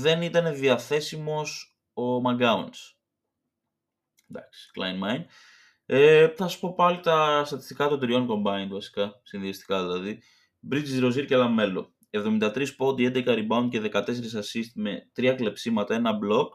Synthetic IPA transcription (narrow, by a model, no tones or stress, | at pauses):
ðe̞nit̪ɐne̞ðiɐθe̞simo̞s | o̞mɐɡɐuns | nd̪ɐ̰ksi̥klɐ̰jnmɐjn | eθɐsɐspo̞pɐlit̪ɐst̪ɐt̪i̥st̪ikɐt̪od̪ɾio̞nko̞mbɐind̪vɐsi̥kɐsinðiɐst̪i̥kɐðilɐði | bɾit͡ʃizɾo̞ziɾcelɐme̞lo̞̰ | e̞vðo̞mind̪ɐt̪ɾispot̪iend̪ekɐɾibɐund̪̚ceðe̞kɐt̪e̞se̞ɾis̬ɐsist̪imet̪ɾiɐkle̞psimɐt̪ɐe̞nɐblo̞k